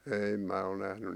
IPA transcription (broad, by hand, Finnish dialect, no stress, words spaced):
ei mæː ol næhny